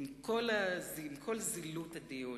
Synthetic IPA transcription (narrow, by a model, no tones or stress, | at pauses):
mkʰolazimkʰolzilut̪adio